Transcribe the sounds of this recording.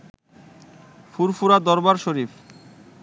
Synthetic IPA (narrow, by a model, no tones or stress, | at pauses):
fuɾfuɾad̪ɔɾbaɾʃoɾif